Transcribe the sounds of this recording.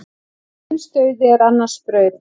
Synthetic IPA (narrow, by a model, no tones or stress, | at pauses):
nst̪œɥðɪɛɾanːḁspɾœːɥɾ